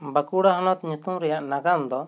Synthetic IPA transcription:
bakuɽaɦɔnɔt̪ɲut̪umɾɛjaʔnaɡamd̪ɔ

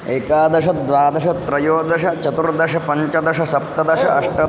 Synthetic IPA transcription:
eːkaːd̪ɐʃɐd̪ʋaːd̪ɐʃɐt̪ɾɐjoːd̪ɐʃɐt͡ʃɐt̪uɾd̪ɐʃɐpɐɲt͡ʃɐd̪ɐʃɐsɐp̚t̪ɐd̪ɐʂɐʔɐʂʈɐ

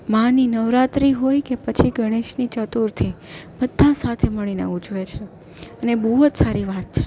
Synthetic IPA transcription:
mãninəʋɾat̪ɾiɦojkepət͡ʃʰiɡʱəɽ̃eʃnit͡ʃət̪uɾt̪ʰib̥əd̪ʱːãsat̪ʰeməɭ̃inḛud͡ʒʋet͡ʃʰe | ənebuɦot̪saɾiʋat̪̚t͡ʃʰe̥

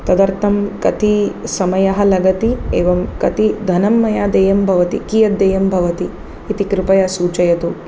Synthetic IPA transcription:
t̪ɐd̪ɐɾt̪ʰɐmkɐt̪isɐmɐjɐɦɐlɐɡɐt̪iḛːʋɐmkɐt̪id̪ʱɐnɐmːɐjaːd̪eːjɐmbʱɐʋɐt̪ḭkijɐt̪ːeːjɐmbʱɐʋɐt̪iː | t̪ikɾɪpɐjɐsuːt͡ʃɐjɐt̪u

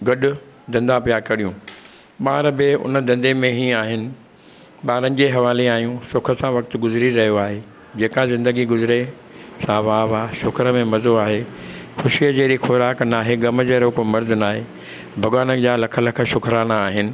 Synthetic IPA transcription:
ɡɐɗʊ | d̪ɐ̃nd̪ãpijaːkɐɽijũ | ɓaːɾbɪʊ̰nəd̪ɐ̃nd̪emẽɦĩaːɦɪnɪ̆ | ɓaːɾənɪ̆d͡ʑeːɦɐʋaːleaːɦijũsʊkʰə̆sãʋɐk̚t̪ɡʊzɪɾiɾɐɦijoaːɦe | d͡ʑeːkãzɪ̃nd̪əɡiɡʊzɪɾe | sãːʋaːʋaːʃʊkʰəɾəmẽmɐzoaːɦexʊʃiəd͡ʑeːɾixoːɾaːknaːɦeɡɐməd͡ʑeːɾokomɐɾd̪ɪnaːɦeː | bʱɐɠwaːnəd͡ʑaːlɐkʰəlɐkʰə̆ʃʊkʰɾaːñaːɦɪnɪ̆

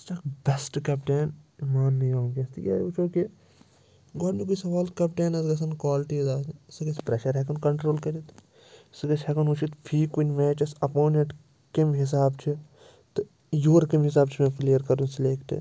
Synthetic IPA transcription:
sʈɐkbesʈkɐpʈeːnimaːnːijaːũɡʲɐst̪jɐ̰ut͡ʃʰoːki | ɡɔːɖnikuisɐʋaːlkɐpʈeːnɐsɡɐsɐnkwaːlʈiːzaːssɨɡɐsʲpɾeʃɐɾɦɛkɐnkɐɳʈɾoːlkɐɾit̪ | sɨɡɐt͡ʃʲhɐkɐnut͡ʃʰit̪pʰiːkunʲmɛːt͡ʃɐsɐpoːneʈ | kimɦis̬aːbt͡ʃʰi | t̪ɨ | joːɾkimɦis̬aːb̚t͡ʃʰimẽːflijɐɾkɐɾunsleːkʰʈɨ̰

